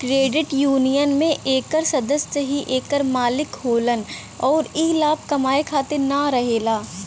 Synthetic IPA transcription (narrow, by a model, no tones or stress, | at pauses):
kɾeːɖɪʈjuːnijənmẽʔeːkəɾsɐd̪əssəɦiʔeːkəɾmaːlɪkɦoːlən | ɔːɾiːlaːb̚kɐmaːekʰaːt̪enaɾɐɦeːlaː